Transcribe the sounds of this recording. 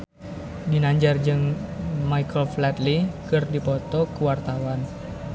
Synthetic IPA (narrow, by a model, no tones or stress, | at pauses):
dinaɲd͡ʒard͡ʒɨŋmaikəlflɛt̪likɨrdipɔt̪ɔkuwart̪awan